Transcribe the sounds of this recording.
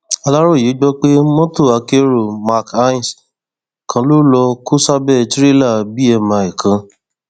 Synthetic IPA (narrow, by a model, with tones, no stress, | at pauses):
a˧la˦ɾo˦˨ji˨˦d͡ʒɔ˦k͡pe˦mɔ̃˦to˦˨a˧ke˦ɾo˦˨ma˦˨ka˦ĩ˨s | kʰã˧lo˦lɔ˧ku˦sa˦bɛ˦˨ti˦ɾi˦la˦˨bi˦ɛ˧mã˧i˨kʰã˨˧